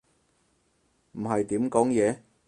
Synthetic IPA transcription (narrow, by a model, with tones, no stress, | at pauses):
m̩˨˩hɐ˨jt̪iː˨˥mkɔː˨˥ŋjɛː˨˧